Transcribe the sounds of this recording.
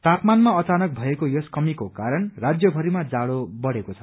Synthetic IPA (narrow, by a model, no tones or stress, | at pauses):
t̪apmanmaʌt͡sanʌk̚bʱʌekojoskʌmikokaɾʌnrad͡zjʌbʱʌɾimad͡zaɽobʌɽekot͡sʰʌ̥